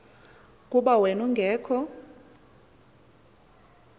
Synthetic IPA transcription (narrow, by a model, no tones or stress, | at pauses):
kʼuɓawenuŋɡʱɛːkʰɔ